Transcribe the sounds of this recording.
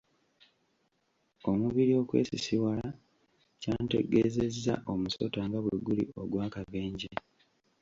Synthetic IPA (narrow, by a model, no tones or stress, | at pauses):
o̞muβiɾio̞ːkwe̞̰ːsisiwala | caːnte̞ɡe̞ze̞zːa̰ʔo̞muso̞̰taːŋɡaβweɡulḭo̞ɡwaːkaβeːɲɟe